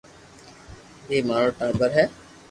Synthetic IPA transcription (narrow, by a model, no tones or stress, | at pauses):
jeːmaːɾoːʈaːɾbəɾɦɛː